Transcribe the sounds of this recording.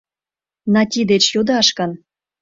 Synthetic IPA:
nɑtʲid̪et͡ɕjod̪ɑʃkɤ̆n

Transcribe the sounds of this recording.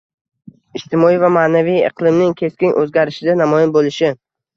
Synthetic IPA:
ɪʃt̪ʰɪmɒijvamaːnavijɨ̰qʰlˠɪmnɪŋkʲʰe̞skʲɪnʔɵzɡʲaɾɪʃɪd̪anamɒjɪnbolɪʃɪ

